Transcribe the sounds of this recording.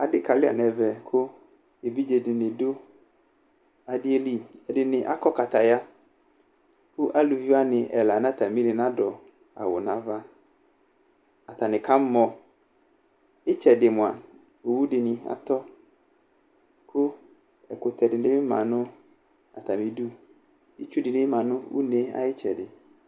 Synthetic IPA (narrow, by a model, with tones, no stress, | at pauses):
a˨dɪ˦ka˨lɪ˦a̰˨n˨ɛ˨vɛ˨kʰʊ˦ | e˨bi˦d͡ʒe˨dɪ˨nɪ˨dʊ˦ | a˨dɪ˦e˦li˦˨ɛ˨dɪ˨nɪ̃˨ʔa˦kɔ˦ka˨ta˨ja˦ | kʊ˦ʔa˦lu˨vi˦a˦nɪ˨ʔɛ˨la˨na˦ta˨mĩ˦nɪ˨nã˦dɔ˨ | a̰˨wʊ̰˨nã˨va˦ | a˨t̪a˨nɪ̃˨kʰa˦m̩˦mɔ˨ | ɪ˦t͡ʃɛ˨dɪ˨mʊ̃˨a˨ | o˨wu˦dɪ˨nɪ̃˨a̰˨tɔ˦ | kʰʊ˦ | ɛ˨kʊ˨t̪ʰɛ˨dɪ˨nɪ̃˦ɪ˦mã̰˨nʊ̃˦ | a̰˨t̪a˨mĩ˨du˦ | ɪ˦t͡ʃu˦dɪ˨nɪ˦mã˨nʊ̃˦ṵ˦ne˦a̰˦jɪ˦t͡ʃɛ˨dɪ˨